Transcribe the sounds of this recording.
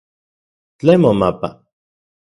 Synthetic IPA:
t͡ɬemomapa̰

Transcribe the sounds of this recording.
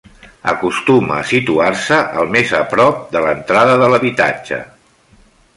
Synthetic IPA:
ə̰kust̪uməːsit̪uarsəʔəlˠmezəpɾɔp̚d̪ələnt̪ɾaðəðələβit̪a̰d͡ʒə̰

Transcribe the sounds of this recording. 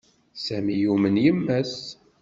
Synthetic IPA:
sæmijumənjəmːæs

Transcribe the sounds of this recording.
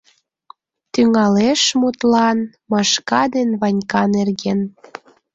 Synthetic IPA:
t̪yŋɑleʃmut̪lɑn | mɑʃkɑd̪enβɑnʲkɑnerɣen

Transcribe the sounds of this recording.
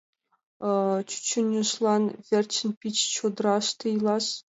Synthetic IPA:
t͡ɕy̥t͡ɕːŭnʲɘ̆ʂlˠɑnvʲerʲt͡ɕɘ̆nʲpʲit͡ɕt͡ɕod̪rɑʂt̪ɯjlˠɑʂ

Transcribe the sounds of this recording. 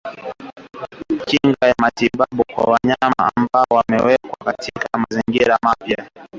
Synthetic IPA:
kiŋɡajamatiɓaɓukwa̰waɲama̰ːmbaɔwamɛwɛkwakatʰikamaziŋɡiɾamapja

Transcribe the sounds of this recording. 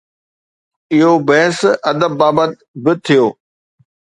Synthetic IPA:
ɪɦobɐɦɪsɐd̪əbːaːbət̪̚ | bɪt̪ʰijoː

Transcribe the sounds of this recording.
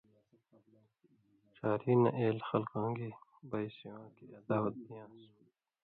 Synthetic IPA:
ʃaːɾiːnɐ̰ʔeːlxɐlkãːŋɡibɐjsiwãːkiɐd̪aːwɐt̪̚b̪ijãːsu

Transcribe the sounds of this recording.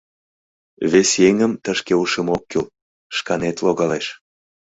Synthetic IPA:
βesjeŋəmt̪əʃkeuʃəmokːyl | ʃkɑnet̪loɣɑleʃ

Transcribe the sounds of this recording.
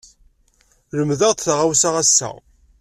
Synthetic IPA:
ləmðəʁtθʁawsaʁæsːæ̰

